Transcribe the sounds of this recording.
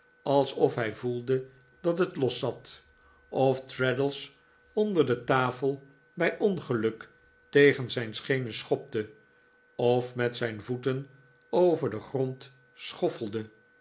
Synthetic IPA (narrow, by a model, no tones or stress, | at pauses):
ʔɑlˠsɔfɦɛjvulˠdə | d̥ɑtɦətlɔsɑt | ʔɔftɹɛdəlˠs | ɔndəɹdətaːfəlˠ | bɛjʔɔnχəlɵk | tejχənzɛjnsχejnəsχɔp̚də | ɔfmɛtsɛjnvutən | owvəɹdəχrɔnt | sχɔfəlˠdə